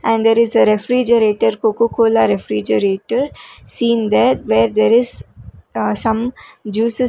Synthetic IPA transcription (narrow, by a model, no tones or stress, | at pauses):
ʔɛ̃ɳɖd̪eːɾɪzəɾefɾid͡ʒəɾeːʈəɾkoːkokʰoːlaɾefɾid͡ʒəɾeːʈəɾsĩːnd̪æʈ̚ʋeːɾd̪eːɾɪz | sʌ̃md͡ʒuːsɪ